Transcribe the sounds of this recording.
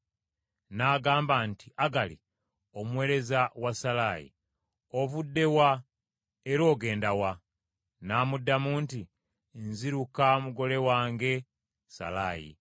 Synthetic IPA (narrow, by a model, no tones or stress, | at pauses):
naːɡaːmbantiʔaɡalḭ | omwe̞ːɾe̞zawasalajḭ | o̞βudːe̞wa | eɾo̞ːɡe̞ːndawa | naːmudːamuːnti | nziɾukamuɡo̞le̞waːŋɡe̞ | sa̰la̰jḭ